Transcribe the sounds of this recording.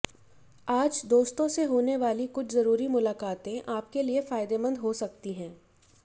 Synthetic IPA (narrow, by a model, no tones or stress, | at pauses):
aːd͡ʒd̪oːst̪õseɦoːneʋaːlikʊt͡ʃʰzɐɾuːɾimʊlaːkaːt̪ẽʔaːp̚keliefaːɪd̪emə̃nd̪ɦosɐk̚t̪iɦɛ̃ː